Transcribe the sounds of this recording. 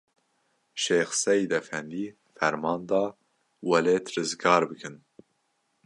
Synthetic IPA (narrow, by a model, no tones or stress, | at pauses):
ʃeːxsɛjid̪ɛfɛnd̪iː | fɛɾmɑːnd̪ɑː | wɛleːt̪rɨzɡɑːɾbɨkʰɨn